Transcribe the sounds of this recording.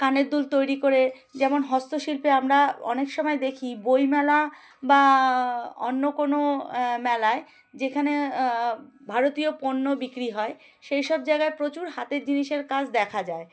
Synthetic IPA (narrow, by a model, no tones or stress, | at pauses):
kaneɾd̪ult̪ojɾikoɾe | d͡ʑɛmonɦɔst̪oʃilpeamɾaɔ̰nekʃɔmɔed̪ekʰibojmɛla | ba | o̰nːokonomɛlae | d͡ʑekʰane | bʱaɾot̪ioponːobikɾiɦɔe | ʃejʃɔb̚d͡ʑaeɡaepɾot͡ɕuɾɦat̪eɾd͡ʑiniʃeɾkat͡ɕʰd̪ɛkʰad͡ʑae